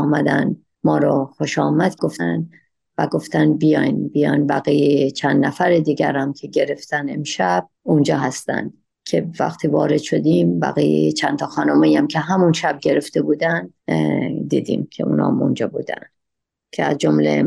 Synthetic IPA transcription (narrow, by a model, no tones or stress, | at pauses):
mæd̪æ̰n | mɒːɾɒxo̞ʃɒːmæd̪̥ɡo̞ft̪æn | væɡo̞ft̪ænbijɒjnbijɒjnbæɣijejet͡ʃʰænd̪næfæɾed̪iːɡæɾæmkʰeɟe̞ɾe̞ft̪æne̞mʃæb̥̚und͡ʒɒːɦæst̪æ̰nd̪̥ | cʰevæ̰χt̪ʰiːvɒːɾe̞d̪̥ʃo̞d̪iːmbæ̰ɣiːjḛjet͡ʃʰænt̪ʰɒxɒːnomejæmcʰe̞ɦæmunʃæb̚ɟe̞ɾe̞ft̪e̞buːd̪ænd̪ | d̪ḭːd̪ḭːmkʰe̞̰ṵːnɒ̰ːmṵnd͡ʒɒːbuːd̪æ̰n | cʰeæzd͡ʒomlḛ